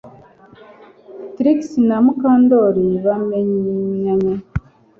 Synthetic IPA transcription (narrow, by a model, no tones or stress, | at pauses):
tɾiksnamukaːndoɾiβameɲɲaɲa